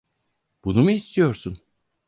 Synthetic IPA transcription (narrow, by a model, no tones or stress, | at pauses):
b̥unumuist̪ʰijo̞ɾsun